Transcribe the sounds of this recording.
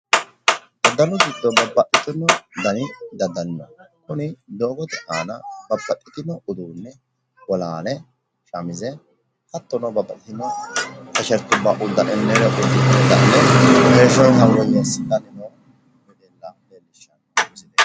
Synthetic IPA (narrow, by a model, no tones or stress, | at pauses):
d̪ɐd̪ːɐnʊɡɪd̪ːɔbɐbːɐʔːɪt̪ɪnːɔd̪ɐnɪd̪ɐd̪ːɐnnɔkʊnɪd̪oːɡɔt̪ɛʔaːnɐbɐbːɐʔːɪt̪ɪnɔʔʊd̪uːnːɛ | wɔlaːnɛ | ʃɐmɪzɛ | kɐt̪ːɔnɔbɐbːɐʔɪt̪ɪnɔkɐʃɛɾt̪ʊbːaʔʊd̪ːɐʔɛnːeɾɔʔʊd̪ːɪd̪d̪ɐ̰nːɛheːʃɔjɦɐwwɔjesd̪ɐnɪnɔ | mɛd̪eːlːɐd̪enːɪʃːɐnɔsɪd̪e